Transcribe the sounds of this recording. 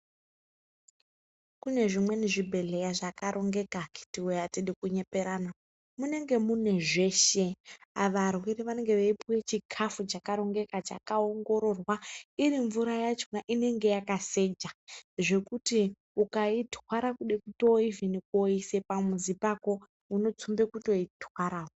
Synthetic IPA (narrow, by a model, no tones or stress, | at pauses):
kune̞ʐimwe̞niʐibʱe̞ɮe̞jaʐakaɾʔo̞ŋɡe̞kaki̥tiwejatiɗikuɲe̞pe̞ɾana | mune̞ŋɡe̞mune̞ʐe̞ʃe̞aʋarwiɾiʋane̞ŋɡe̞ʋaipwe̞t͡ʃikʰafut͡ʃakaɾo̞ŋɡe̞kat͡ʃa̰kaoŋɡo̞ɾo̞rwaiɾiɱvuɾajat͡ʃonaʔine̞ŋɡe̞jakase̞d͡ʒaʐe̞kuti | ukaitwaɾakuɗekuto̞ivinikoise̞pamuzipako̞ | uno̞t͡sumbe̞kuto̞itwaɾaːo